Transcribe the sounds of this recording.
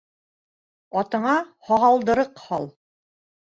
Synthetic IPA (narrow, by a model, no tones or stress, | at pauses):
ɑt̪ɤ̆ɴɑhɑʁɑlˠd̪ɤ̆ɾɤqhɑlˠ